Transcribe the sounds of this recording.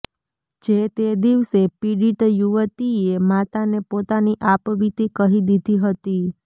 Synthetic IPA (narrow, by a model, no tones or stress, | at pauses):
d͡ʒet̪ed̪iʋsepiɽiʈjuʋət̪iemat̪anepot̪aniʔapʋit̪ikəɦid̪id̪ʱiɦət̪i